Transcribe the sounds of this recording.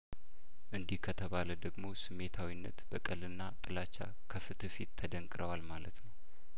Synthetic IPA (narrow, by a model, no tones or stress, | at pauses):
ʔɨnd̪ihkʰət̪ʰəβaləd̪əɡmo̞sɨmːe̞t̪ʰawinːə̰t̪b̥əkʼəlɨnːat̪ʼɨlat͡ʃːa̰ | kʰəfɨt̪ʰɨfit̪ʰːəd̪əŋkʼɨɾʔəwalmalə̰t̪nəw